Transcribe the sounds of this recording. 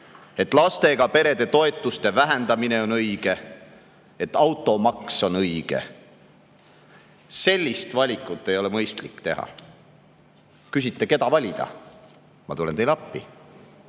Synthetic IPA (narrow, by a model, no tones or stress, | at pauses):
e̞t̪ːˑlɑst̪e̞ɡ̥ɑpe̞ɾe̞d̪e̞t̪o̞e̞t̪ːˑust̪e̞væɦend̪̥ɑmine̞o̞nɤjɡ̥e̞ | et̪ːˑɑwt̪ːˑo̞mɑkso̞nɤjɡ̥e̞̰ | se̞lʲːist̪vɑlʲikːˑut̪ːˑe̞jo̞lemɤjst̪likːt̪e̞ɦɑ̰ | kys̬it̪ːe̞ke̞d̪ɑvɑlʲid̪̥ɑ̰ | mɑt̪ulent̪e̞jlɑpːi